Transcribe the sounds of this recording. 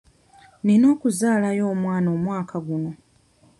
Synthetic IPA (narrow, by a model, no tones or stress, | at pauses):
nino̞ːkuzaːlajo̞ːmwaːno̞ːmwaːkʰaɡuno̞